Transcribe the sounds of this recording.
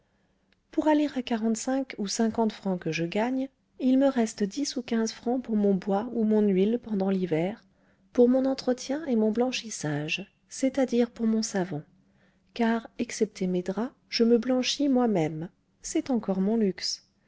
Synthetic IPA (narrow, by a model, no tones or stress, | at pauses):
puʁaleʁakaʁɑ̃t̪sɛ̃kusɛ̃kɑ̃t̪fχɑ̃kəʒəɡaɲ | ilməʁɛst̪d̪isukʲɛ̃zfχɑ̃puʁmɔ̃bwaumɔ̃nɥilpɑ̃d̪ɑ̃livɛʁ | puʁmɔ̃nɑ̃t̪χət̪jɛ̃emɔ̃blɑ̃ʃisaʒ | sɛt̪ad̪iʁpuʁmɔ̃savɑ̃ | kaʁɛksɛp̚t̪ʰemed̪ʁa | ʒ̥əməblɑ̃ʃimwamɛm | sɛt̪ɑ̃kɔʁmɔ̃lyks